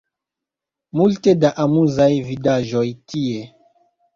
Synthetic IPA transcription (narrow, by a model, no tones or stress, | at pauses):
multe̞daʔamuzajvidaʒojtie